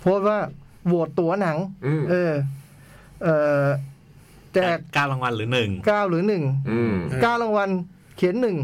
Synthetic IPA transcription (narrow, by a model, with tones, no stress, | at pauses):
pʰoː˥˩t̪̚waː˥˩ | bu˨˩ət̪ːu˩˦ɐ˦na˩˦ŋʔɤː˧ | ʔɤː˨˩ | t͡ɕɛː˨˩k̚kaː˥˩wɾa˧ŋwa˧nɾɯː˩˦nɯ˨˩ŋkaː˥˩wɾɯː˩˦nɯ˨˩ŋ˩ | kaː˥˩wɾa˧ŋwa˧n | kʰi˨˩˦nːɯ˨˩ŋ